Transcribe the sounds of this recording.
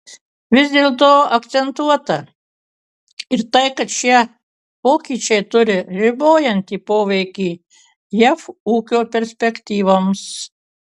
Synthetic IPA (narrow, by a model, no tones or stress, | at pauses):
ʋʲɪzʲd̪ʲeːlˠt̪oːɐkt̪sʲɛnt̪uɔt̪ɐ | ɪɾt̪ɐɪkɐt̪ʃʲiɛ | poːkʲiːt͡ʃʲɛɪt̪ʊɾʲɪɾʲɪboːjɛnʲt̪ʲiːpoːʋʲɛɪkʲiː | jæfuːkʲoːpʲɛɾʲsʲpʲɛkt̪ʲiːʋoːms